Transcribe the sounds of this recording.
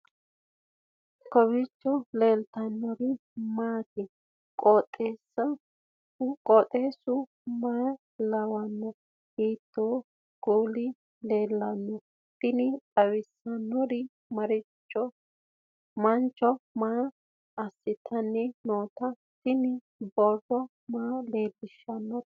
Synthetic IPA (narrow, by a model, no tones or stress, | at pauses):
kɔβɪt͡ʃːɔleːlt̪ɐnːɔɾɪ | maːt̪ɪ | kʼoːt̪ʼːeːsːɐ | ʊkʼɔt̪ʼeːsʊ | maː | lɐwɐnːɔ | hiːt̪ʰːoː | ɡ̥oːlɪ | leːlːɐnːɔ | t̪ɪnɪt̪ʼɐwɪsːɐnːɔɾɪ | mɐɾɪt͡ʃːɔ | mɐnt͡ʃʼːɔmaː | ɐsːɪt̪ʰːɐnːɛnoːt̪ɐ | t̪ɪnɪ | bɔrɔ | maːle̞ːlːɪʃːɐnːɔ